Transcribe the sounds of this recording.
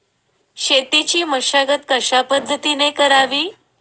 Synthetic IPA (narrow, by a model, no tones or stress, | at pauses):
ɕet̪it͡ɕiːməɕaɡət̪̚kəɕapəd̪ʱːət̪inekəɾaʋiː